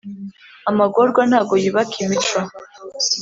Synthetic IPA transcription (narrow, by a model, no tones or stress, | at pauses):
amaɡoɾɡwanhaːɡo̞jiβakʰimit͡ʃwa